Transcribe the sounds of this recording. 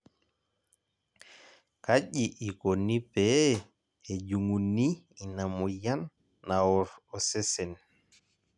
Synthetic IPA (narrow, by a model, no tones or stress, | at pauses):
kaɟiʔikonːipɛ | ɛd͡ʒuŋunːi | inamɔjanː | awɔɾɔsɛsɛn